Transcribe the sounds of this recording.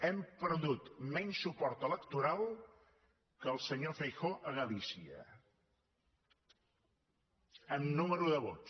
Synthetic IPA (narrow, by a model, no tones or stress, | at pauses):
ɛmpəɾðut̪mɛɲsːupɔɾt̪ələkt̪uɾalˠ | kəlˠsəɲofəjxoʔəɣəlisiə̰ | əmnuməɾuðəβot